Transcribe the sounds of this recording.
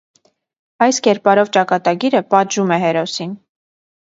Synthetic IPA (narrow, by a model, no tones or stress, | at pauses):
ɑjskɛɾpɑɾɔvt͡ʃɑkɑt̪ɑɡiɾəpɑt̪ʒumɛɦɛɾɔsin